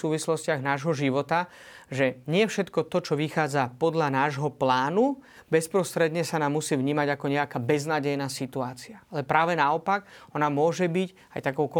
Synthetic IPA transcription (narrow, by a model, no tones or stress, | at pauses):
suːʋislɔscɪaɣnaːʒɦɔʒiʋɔt̪a | ʒɛɲɪɛfʃɛt̪kɔt̪ɔt͡ʃɔʋixaːd͡zapɔd̪ʎanaːʒɦɔplaːnu | bɛspɾɔst̪ɾɛd̪ɲɛsanaːmːusiːvɲiːmaɟakɔɲɛakaːbɛznaːɟɛjnaːsit̪uaːt͡siaalɛpɾaːʋɛnaɔpaɡɔnamʊɔʒɛbic | a̰jt̪akɔʊkɔ